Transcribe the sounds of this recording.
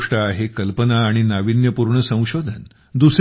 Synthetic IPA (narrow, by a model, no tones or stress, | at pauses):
ʂʈaːɦekəlpənaːɽ̃inaʋinjəpuɾɳəsə̃w̃ɕod̪ʱən | d̪us